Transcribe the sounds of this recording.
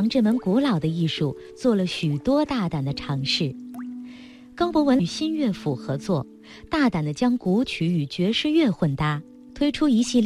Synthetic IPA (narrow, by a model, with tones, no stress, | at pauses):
ŋʈ͡ʂɤ˥˩mə˧˥nku˧˥lɑ˨˩ʊd̪ə˦i˥˧ʂu˥˧˩ | t͡swɔ˥˩lə˩ɕy˨˩t̪wɔ˥t̪a˥˩t̪a˨˩nd̪ə˦ʈ͡ʂʰɑ˧˥ŋʂɻ̩˥˩ | kɑ˥ʊpwɔ˧˥wə˧˥˩ɕi˥nɥɛ˥˩fu˨˩xɤ˧˥t͡swɔ˥˩ | t̪a˥˩t̪a˨˩nd̪ə˦t͡ɕjɑ˥ŋku˧˥t͡ɕʰy˧˥y˨˩t͡ɕɥɛ˧˥ʂɻ̩˥˧ɥɛ˥˧xwə˥˩nt̪a˥˩ | t̪ʰwe˥ɪʈ͡ʂʰu˥i˧˥ɕi˥˧l